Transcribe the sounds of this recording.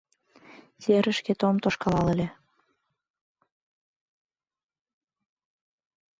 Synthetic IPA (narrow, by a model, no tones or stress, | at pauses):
seɾə̆ʃket̪omt̪oʃkɑlɑlĕlʲe